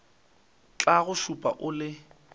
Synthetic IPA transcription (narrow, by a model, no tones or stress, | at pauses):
t͡ɬʼaɣʊʃupʼa̰ʔʊlɪ